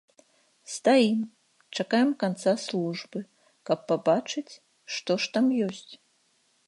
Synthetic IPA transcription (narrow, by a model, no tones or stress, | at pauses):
st̪ajim | t͡ʂakajɛmkant̪saslˠuʐbɨ | kɐpːabat͡ʂɨt͡sʲ | ʂt̪ɔʂt̪amjɔsʲt͡sʲ